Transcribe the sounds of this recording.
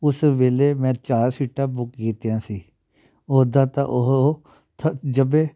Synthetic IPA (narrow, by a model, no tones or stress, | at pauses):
ʊsʋeːleːmɛ̃ːt͡ʃaːɾsiːʈãːbʊkɡiːt̪jãːsiː | oːd̪ãːt̪ã̰ːʔoɦ | t̪ʰd͡ʒəbẽː